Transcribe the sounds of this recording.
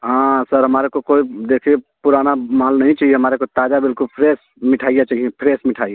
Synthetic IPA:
ɦãsəɾɦəmaːɾekokoːid̪ekʰie | puɾanamaːlnəɦĩt͡ʃaːɦieɦəmaːɾekot̪aːd͡ʒabɪlkʊlpʰɾeːs | mɪʈʰaːijat͡ʃaːɦiẽpʰɾeːsmɪʈʰaːije

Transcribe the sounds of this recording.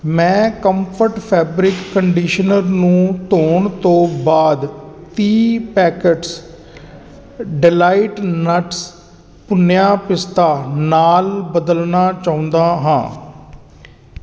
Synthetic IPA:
mɛ̃ːkəmpʰəɾʈpʰɛːbɾɪkːəɳɖiːʃənəɾnũːt̪oːɳt̪õːbaːd̪t̪iːpɛːkəʈs | ɖɪlaːɪʈnəʈs | pʊnjaːpɪst̪aːnaːlbəd̪əlnaːt͡ʃaːʊ̃nd̪aːɦãː

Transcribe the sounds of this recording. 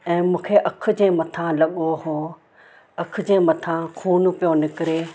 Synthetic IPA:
ɛ̃ːmũːkʰeʔɐkʰʊ̆d͡ʑẽːmɐt̪ʰãlɐɓoɦoː | ɐkʰʊ̆d͡ʑẽːmɐt̪ʰãxʰuːn̆pijonɪkɪɾe

